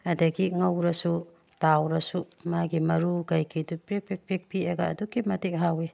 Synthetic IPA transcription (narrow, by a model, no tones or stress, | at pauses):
adɐɡiŋɐwɾɐsu | tawɾɐsumaɡimɐɾuɡajkʰidupɾepek̚pek̚pieɡaːduɡimɐtik̚ɦawi